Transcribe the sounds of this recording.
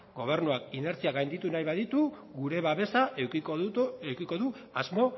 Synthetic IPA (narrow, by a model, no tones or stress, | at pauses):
ɡo̞β̞e̞ɾnuakine̞ɾt͡siaɡajnd̪it̪unajβaðit̪u | ɡuɾe̞βaβe̞saʔeiewkiko̞ðuazmo̞